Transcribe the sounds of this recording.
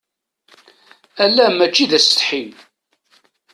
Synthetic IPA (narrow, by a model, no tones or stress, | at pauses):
ælːæmæt͡ʃːiðæsə̥t̪ħim